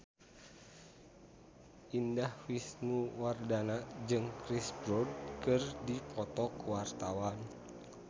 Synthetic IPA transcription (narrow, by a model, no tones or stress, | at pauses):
ʔindahfisnuwardanad͡ʒɨŋkɾisbɾɔd̚kɨrdipɔt̪ɔkuwart̪awan